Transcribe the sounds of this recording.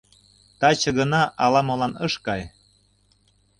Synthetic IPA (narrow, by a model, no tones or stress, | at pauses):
t̪ɑt͡ɕə̆ɣə̆nɑʔɑlɑmolɑnɤʃkɑj